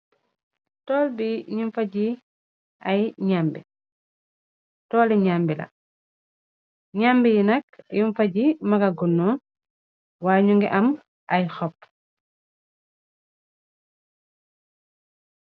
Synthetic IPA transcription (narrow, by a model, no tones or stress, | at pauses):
tɔːlbiɲuɱfaɟi | ʔɐjɲaːmbḭ | tɔːlɛɲaːmbilɐ̰ | ɲambijinɐkjiɱfɐɟimɐkɐɡunːɔː | waːɲuŋɡɛʔɐm | ʔɐjxɔpː